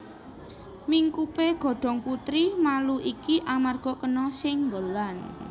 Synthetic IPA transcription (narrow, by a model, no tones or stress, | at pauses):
miŋkupeɡ̥ɔ̤ɖ̥ɔ̤ŋput̪ɾimaluʔikiʔamarɡ̥ɔ̤kənɔsɪŋɡəlan